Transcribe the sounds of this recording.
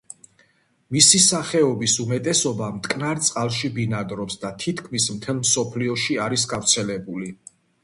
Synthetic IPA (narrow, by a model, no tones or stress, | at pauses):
misisaχɛɔbisumɛt̪ʼɛsɔbamt̪ʼkʼnaɾt̪sʼqʼalˠʃibinad̪ɾɔpsd̪at̪ʰit̪ʰkʰmismt̪ʰɛlˠmsɔpʰliɔʃiaɾis̬ɡavɾt̪sʰɛlɛbuli